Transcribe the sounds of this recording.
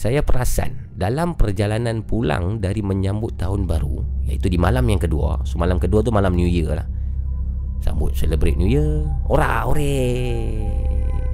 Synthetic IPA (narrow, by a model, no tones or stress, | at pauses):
sajapəɾasa̰n | dalampərd͡ʒalananpula̰ŋdaɾiməɲambʊt̪ːaɦʊnbaɾṵja̰it̪udimalamjaŋkədua̰somalamkəduat̪̬umalamnjujərla̰h | sa̰mbʊt̪̚sələbɾet̪̚njujəoɾaoɾe